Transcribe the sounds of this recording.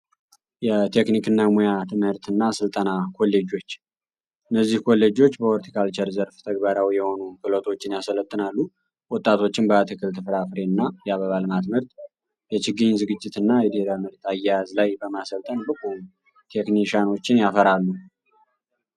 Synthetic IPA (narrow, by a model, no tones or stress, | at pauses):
jɛt̪ʰe̞knikɨnːamojat̪ʰɨmhɨɾt̪ʰɨnːasɨlt̪ʼənakʰo̞lːe̞d͡ʒo̞t͡ʃː | ʔɨnːəzːihkʰo̞lːed͡ʒo̞t͡ʃːbəoɾt̪ʰi̥kʰalt͡ʃʰɛɾzəɾft̪ʰəɡbaɾawijɛho̞nukʰɨlot̪ʰʼo̞t͡ʃːɪnjasələt̪ʼːɨnalːu | wɔt̪ʼːat̪ʰo̞t͡ʃːɪnbəat̪ʰɨkʰɨlt̪ʰɨfɾafɾe̞ɨnːajaβəβalmat̪mɨɾt̪ | jɛt͡ʃɪɡiɲzɨɡɨd͡ʒːɪt̪ʰɨnːajɛd̪ɪhɾəmɨɾt̪ʰajːɛjazlajbəmasəlt̪ʼənbɨkʰʼom | t̪ʰe̞kniʃano̞t͡ʃːɪnjafəɾalːu